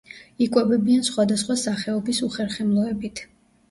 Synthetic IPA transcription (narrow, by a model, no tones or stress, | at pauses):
ikʼwɛbɛbiansχwad̪asχwasaχɛɔbisuχɛɾχɛmlˠɔɛbit̪ʰ